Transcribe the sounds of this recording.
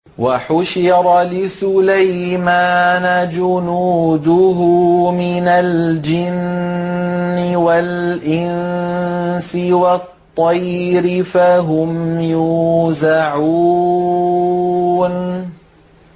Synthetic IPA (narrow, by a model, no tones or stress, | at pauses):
waħʊʃɪɾˤɑlɪsʊlajmaːnad͡ʒʊnuːd̪ʊɦʊmɪnald͡ʒɪnː | ɪwalʔɪnn | sɪwɑt̪ˤːɑjɾɪfaɦʊmjuːzaʕu | n